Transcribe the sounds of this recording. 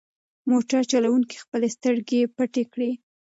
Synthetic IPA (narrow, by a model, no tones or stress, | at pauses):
moʈaɾt͡ʃalawuŋki̥xpəlest̪əɾɡepəʈekɽi